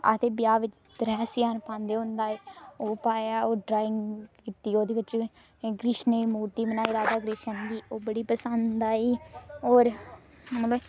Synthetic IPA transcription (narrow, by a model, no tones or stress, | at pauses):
a̰t̪ʰeːbɪjaːʋɪt͡ʃ | d̪ɾɛːsjaːnpãːnd̪eːɦʊ̃nd̪aːeoːpaːaːoːɖɾaːɪŋɡkɪt̪ːiːoːd̪eːʋɪt͡ʃ | ɡɾɪʃneːmuːɾt̪iːbənaːiːɾaːd̪aːɡɾɪʃənd̪iːoːbəɽiːpəsənd̪d̪aːiːoːɾ | məloː